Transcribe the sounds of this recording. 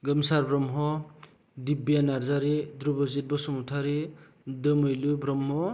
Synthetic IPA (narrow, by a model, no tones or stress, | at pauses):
ɡʌmsaɾbɾɔmɦɔ | dibjanaɾzaɾidɾubɔzet̚bɔsɔmutʰaɾi | dɯmɯjlubɾɔmɦɔ